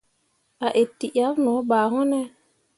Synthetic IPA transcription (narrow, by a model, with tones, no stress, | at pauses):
a˨ʔe˨tːi˨ʔa˨˦vnɔ˨˦ba˨ɦɔ˦nɛ˦